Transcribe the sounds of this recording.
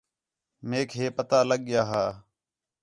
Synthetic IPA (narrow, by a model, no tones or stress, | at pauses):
meːkʰɦeːpət̪aːləɠjaːɦaː